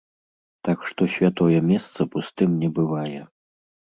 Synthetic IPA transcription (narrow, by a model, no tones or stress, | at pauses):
t̪akʂt̪ɔsʲvʲat̪ɔjɛmʲɛst̪sɐpust̪ɨmnʲɛbɨvajɛ